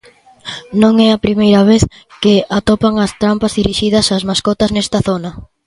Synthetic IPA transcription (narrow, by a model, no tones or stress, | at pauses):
nõŋɛɐpɾimejɾɐβ̞eθ | keat̪opaŋɐst̪ɾampɐzðiɾiʃið̞ɐsazmaskɔt̪ɐznɛst̪ɐθonɐ